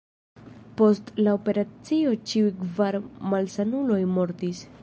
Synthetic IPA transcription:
po̞stlao̞pe̞ɾat͡sio̞t͡ʃiujkvaɾmalsanulo̞jmo̞ɾtis

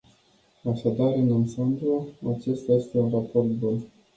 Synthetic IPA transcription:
aʃad̪aɾɨnansand̪oat͡ʃe̞st̪aje̞st̪e̞unrapo̞rt̪bun

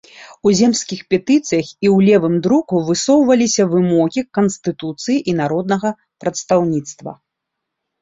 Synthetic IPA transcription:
uzʲɛmskʲixpʲɛt̪ɨt̪sɨjɐxiwlʲɛvɨmd̪ɾukuvɨsɔwvɐlʲisʲɐvɨmɔɣʲikɐnst̪ɨt̪ut̪sɨjiʔinaɾɔd̪̚nɐɣɐ | pɾɐt̪st̪awnʲit̪st̪vɐ̰

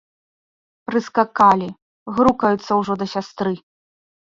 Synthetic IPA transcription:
pɾɨskakalʲi | ɣɾukɐjut̪sːɐwʐɔd̪ɐsʲast̪ɾɨ

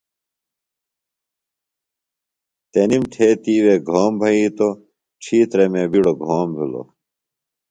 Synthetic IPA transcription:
t̪enimʈʰeːt̪iːweːɡʱoːmbʱɐiːt̪o | ʈ͡ʂʰiːt̪ɾemebiɽoɡʱoːmbʱilo̰

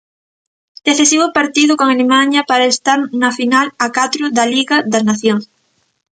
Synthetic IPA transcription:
d̪̥eθesiβopaɾt̪iðokoŋalemaɲapaɾaest̪aɾnafinalakat̪ɾʊðaliɣaðaznaθjoŋs

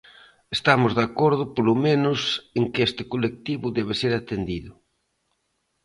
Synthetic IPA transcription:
est̪amʊzðakoɾðʊpolomẽnʊseŋkɪest̪ɪ̥kolek̚t̪iβʊðɛβ̞ɪseɾat̪end̪iðʊ

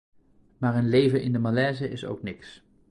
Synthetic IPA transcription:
maːɹənlejvənʔɪndəmalɛːzəɪso̰wknɪks

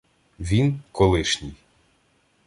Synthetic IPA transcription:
ʋʲinkɔlˠɪʃnʲij

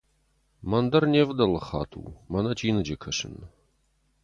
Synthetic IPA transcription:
mɐnd̪ɐrnʲeːvd̪ɐlɨχɑ̰ːt̪ʰṵːmɐnɐt͡ʃʰʼiːnɨd͡ʒɐkʰɐʂɨ̰n

